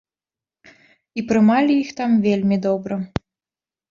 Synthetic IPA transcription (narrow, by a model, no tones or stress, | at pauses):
ipɾɨmalʲijixt̪amvʲelʲmʲid̪ɔbɾɐ